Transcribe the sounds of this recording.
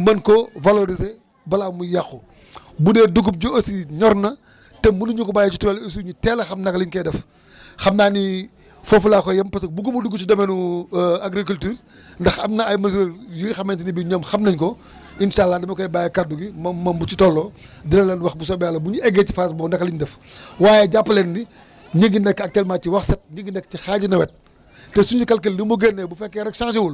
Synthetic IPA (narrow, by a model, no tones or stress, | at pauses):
mɐnkɔvaloɾize | bɐlaːmujaxɔ | budɛduɡup̚ɟoɐsiɲɔrnɐ | tɛmmunuɲukubaːjɐt͡ʃituwɛlis̬uɲutɛːlɐxɐmnɐkɐliɲkɛdɐf | xɐmnaːni | fofulaːkɔjɐmpɐsɐk̚buɡumuduɡut͡ʃidɐmɛnuaɡɾikultyːr | ndɐxɐmnɐɐjmɐs̬uljiɡxɐmɐntinibiɲɔːmxɐmnɐɲkɔ | inʃaːlːadɐmɐkɔjbaːjɐkad̚uɡimɐmɐmbut͡ʃitɔlːɔː | dilɐlːɛnwɐxbus̬ɔbaːlːɐbuɲuɛɡɛci̥faːs̬bɔːndɐkliɲdɛfwaːjɛɟapːɐlɛnːi | ɲəɡːinɛkːɐk̚tɛlmaːciwɐxsɐt̚ɲiɡːinɛkːcixaːɟinɐwɛt̚ | tɛsund͡ʒikɐlkeldimuɡɛnːɛbufɛkːɛɾɛkʃãːŋʃ̬ewul